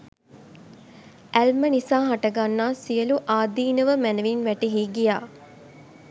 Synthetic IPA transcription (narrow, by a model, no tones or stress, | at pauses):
ælmənisaːɦaʈɐɡanːaːsijəluʔaːd̪iːnəʋəmænəʋinʋæʈeɦiːɡijaː